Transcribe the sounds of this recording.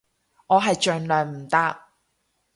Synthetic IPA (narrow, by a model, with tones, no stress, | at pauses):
ŋɔː˨˧ɦɐ˨jt͡ʃœː˨nlœː˨˩ŋm̩˨˩t̪aː˥k̚